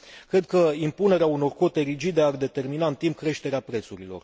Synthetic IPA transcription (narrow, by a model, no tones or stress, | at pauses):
kɾe̞d̪̚kəimpune̞ɾeauno̞rko̞t̪e̞ɾid͡ʒid̪e̞ard̪e̞t̪e̞rminaɨnt̪imp̚kɾe̞ʃt̪e̞ɾeapɾe̞t̪suɾilo̞̰r